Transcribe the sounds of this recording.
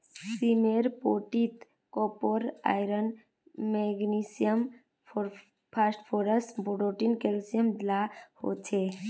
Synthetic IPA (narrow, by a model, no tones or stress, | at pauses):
simeɾpoʈit̪ | kopoɾa̰ːjɾən | meɡnisijəm | pɾ | pʰasʈpʰoɾəsbuɖoʈinkelsijəmdlaho̰t͡ʃʰe